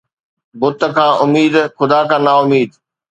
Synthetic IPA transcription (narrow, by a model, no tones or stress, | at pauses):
bʊt̪̆kʰãːʔʊmiːd̪xʊd̪aːkʰãːnaːʊmiːd̪